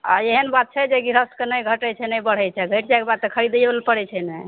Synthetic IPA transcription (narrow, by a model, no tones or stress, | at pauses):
a̰eɦənbat̪̚t͡ʃʰɛd͡ʒeɡiɾəstkenəjɡʱəʈɛt͡ʃʰɛnəjbəɽ̤ɛt͡ʃʰɛɡʱeʈd͡ʒajkebad̪̚t̪ekʰəɾid̪belpəɽɛt͡ʃʰɛnɛ